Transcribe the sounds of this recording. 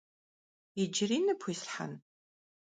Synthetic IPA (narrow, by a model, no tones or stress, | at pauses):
id͡ʒɪriːnɨpʰiːsħa̰n